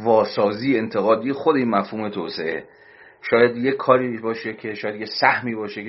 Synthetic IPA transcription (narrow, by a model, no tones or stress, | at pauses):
vɒːsɒːziːeent̪ʰe̞ɣɒːd̪iːjexod̪eiːnmæfhuːme̞t̪ʰoːseʔḛ | ʃɒːjæd̪jekʰːɒːɾiːbɒːʃekʰeʃɒːjæd̪jesæhmiːbɒːʃek